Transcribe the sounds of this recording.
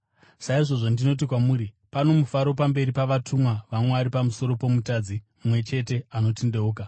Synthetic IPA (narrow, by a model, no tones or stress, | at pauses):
saiʐo̞ʐondino̞t̬ikwamuːɾi | pano̞mufaɾo̞pambe̞ɾipaʋatʰumwaʋamweaɾipamuso̞ɾo̞po̞mutad͡zi | mwe̞t͡ʃe̞te̞ano̞tende̞uːka